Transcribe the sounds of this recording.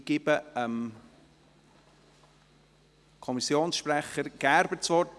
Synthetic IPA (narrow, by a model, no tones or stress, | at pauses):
ɡ̥ɪbəəm | kʰɔmisjoːnsʃpræχəɾɡ̥ɑɾbəsʋɔt